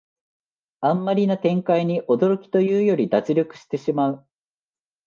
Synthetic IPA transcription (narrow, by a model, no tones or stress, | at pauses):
ãmːaɾʲinat̪ẽ̞ŋkaiɲ̟iʔo̞d̪o̞ɾo̞kʲi̥t̪o̞jɯːjo̞ɾʲid̪at͡sɨɾʲo̞kɯ̟̥ɕi̥t̪e̞ɕimaɯ̟